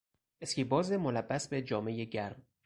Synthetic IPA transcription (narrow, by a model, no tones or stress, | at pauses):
eskiːbɒːzemolæbːæsbed͡ʒɒːme̞jeɟæɾm